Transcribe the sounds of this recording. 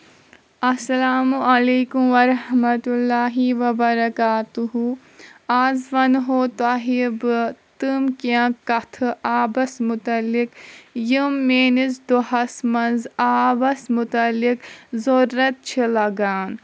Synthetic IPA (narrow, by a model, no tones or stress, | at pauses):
ɐsɐlaːmuʔɐleːkumʋɐɾɐhmɐt̪ulːaːɦiʋɐbɐɾɐkaːt̪uɦu | aːzʋɐnɦoːt̪aɦibɨt̪ɨmkãkɐt̪ʰɨʔaːbɐsmut̪ɐlːikjimːeːnizd̪oɦɐsmɐnzaːbɐsmut̪ɐlːikzoɾːɐt̪̚t͡ʃʰilɐɡaːn